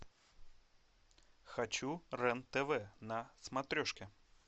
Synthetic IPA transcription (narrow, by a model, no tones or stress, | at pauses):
xɐt͡ɕurɛnt̪ɛvɛnɐsmɐt̪ɾʲoʂkʲɪ